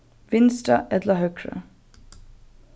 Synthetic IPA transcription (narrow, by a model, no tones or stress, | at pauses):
ʋɪnstɑʔɛd̪lɑhœkɹə̰